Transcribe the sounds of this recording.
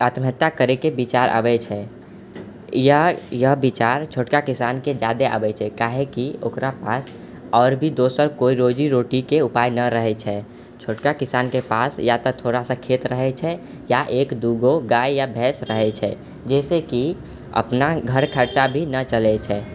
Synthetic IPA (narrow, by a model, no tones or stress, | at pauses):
at̪məət̪ːakəɾekebit͡ʃaːɾʔa̰ːbɛt͡ʃʰɛ | jəɦjəɦbit͡ʃaːɾt͡ʃʰoːʈkakɪsaːnked͡ʒjaːd̪ea̰ːbɛt͡ʃʰɛkaːɦekio̰ːkɾapaːs | ɔːɾbʱid̪oːsəɾkoːiɾoːd͡ʒiɾoːʈikeʊpaːjnəɾəɦɛt͡ʃʰɛ | t͡ʃʰoːʈkakɪsaːnkepaːsjat̪ɔt̪ʰoːɾasakʰeːt̪ɾəɦɛt͡ʃʰɛ | jaʔeːkd̪uɡoɡaːjjabʱɛːsɾəɦɛt͡ʃʰɛ̰ | d͡ʒɛːseki | ə̰pnaɡʱəɾkʰəɾt͡ʃabʱinət͡ʃəlɛt͡ʃʰɛː